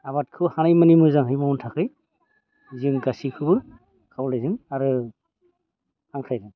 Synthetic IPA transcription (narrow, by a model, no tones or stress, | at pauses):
aβat̚kʰɯwhanajmanimɯzaŋɦɯjmauntʰakʰɯj | zɯŋkasikʰɯbɯ | kʰawlajzɯŋaɾɯ | haŋkʰajzaŋ